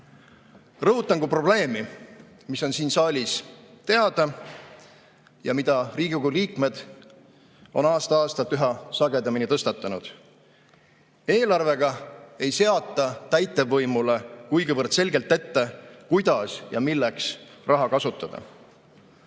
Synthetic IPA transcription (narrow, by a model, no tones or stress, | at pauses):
rɤɦut̪ːˑɑŋɡupro̞ble̞ːmi | miso̞nsiːnsɑːlʲist̪e̞ɑd̪̥ɑ | jɑmid̪̥ɑriːɡiɡuliːkme̞d̪̥ | o̞̰nɑːst̪ɑɑːst̪ɑlt̪ːˑyɦɑsɑɡe̞d̪ɑminit̪ɤst̪ɑt̪ˑːɑnud̪̥ | e̞ːlɑrve̞ɡ̥ɑe̞jse̞ɑt̪ˑːɑt̪æjt̪ːˑe̞vɤjmule̞kujɡivɤrdt̪se̞lʲɡelt̪ːe̞t̪ːekujd̪̥ɑsjɑ̰milːeksrʔɑɦɑkɑsut̪ːˑɑd̪̥ɑ̰